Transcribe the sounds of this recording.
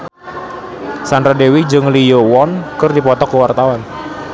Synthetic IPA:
sandɾadewid͡ʒɨŋlijowɔnkərdipɔt̪ɔkːəwart̪awan

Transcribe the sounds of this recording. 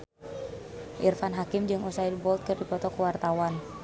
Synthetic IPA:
ʔirfanɦakɪmd͡ʒɨŋusaidbɔlt̪̚kɨrdipɔt̪ɔkuwart̪awan

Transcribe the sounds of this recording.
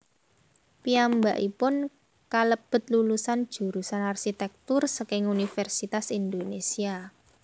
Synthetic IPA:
piambaʔipʊn | kaləb̥ə̤t̪̚lulusand̥ʒ̥ṳɾusanarʃit̪ɛk̚t̪ursəkɪŋunifɛrsit̪asind̪onesia

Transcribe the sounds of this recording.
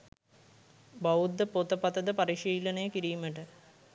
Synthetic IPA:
bɐud̪ːəpot̪əpɐt̪ɐd̪əpɐɾiʂiːlɐnejəkiɾiːməʈə

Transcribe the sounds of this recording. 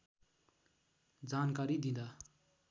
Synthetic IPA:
d͡zankaɾid̪ĩnd̪a

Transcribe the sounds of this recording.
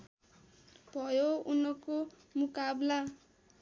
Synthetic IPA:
bʱʌjounʌko | mukabla

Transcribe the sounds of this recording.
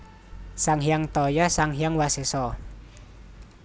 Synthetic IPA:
saŋhjaŋt̪ɔjasaŋɦijaŋwasesɔ

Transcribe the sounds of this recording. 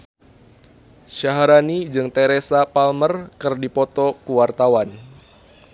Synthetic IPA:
ʃaɦaɾanid͡ʒɨŋt̪eɾesapalmərkɨrdipɔt̪ɔkuwart̪awan

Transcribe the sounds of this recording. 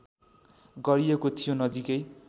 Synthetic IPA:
ɡʌɾiekot̪ʰijonʌd͡zikʌj

